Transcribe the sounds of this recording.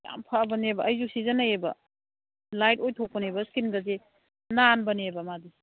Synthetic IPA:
ja̰mpʰabɐnebɐɐjzusizɐnajebɐ | lajt̚ojtʰok̚pɐnebɐskinɡɐze | nanbɐnebɐmadi

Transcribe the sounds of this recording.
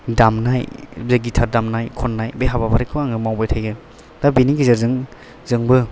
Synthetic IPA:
damnajzeɡitʰaɾdamnajkʰɔnːajbeɦabapʰaɾikʰɯaŋɯmawbajtʰajɡɯ | d̥abiniɡizɯɾzɯŋ | zɯŋbɯ

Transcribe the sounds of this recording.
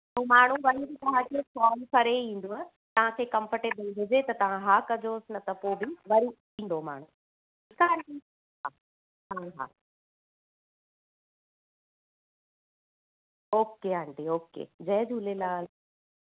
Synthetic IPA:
umaːɳ̤uʋɐɾibɪt̪ɐʋ̤ãkokɔːlpʰɐɾeĩːn̆d̪oaː | t̪ɐʋ̤ãkʰeːkɐ̃mfəʈebɐnʋɪd͡ʑet̪ɐt̪ɐʋ̤ãɦaːkɐd͡ʑoːsɪnɐt̪ɐpoːbɪʋɐɾi | ĩːn̆d̪oma̰ːɳ̤u | ɪkaːɳʈi | ɦa | ɦaɦa̰ː | oːkeaːɳʈeoːkḛːd͡ʑɐɦd͡ʑʱuːlelaːl

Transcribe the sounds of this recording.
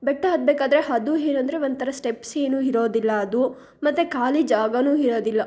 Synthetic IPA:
bɛʈːɐɦɐd̪̚beːkaːd̪ɐɾeɦɐd̪uɦeːnuɐnd̪ɐɾeont̪ʰɐɾɐsʈepse̞ːnuːɦiɾo̞ːd̪ilːɐːd̪u | mɐt̪ːekaːlid͡ʒaːɡɐnuːɦiɾo̞ːd̪ilːɐ

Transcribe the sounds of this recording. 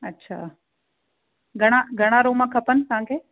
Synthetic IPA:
ɐtːɕʰa̰ː | ɡʱɐɽ̃aɡʱɐɽ̃aɾoːmãkʰɐpən̆t̪ɐɦãkʰeː

